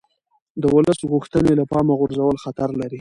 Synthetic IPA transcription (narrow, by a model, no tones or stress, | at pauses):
d̪əwʊləsɣuxt̪ənelapɑmaɣʊɾzawəlxat̪aɾlaɾi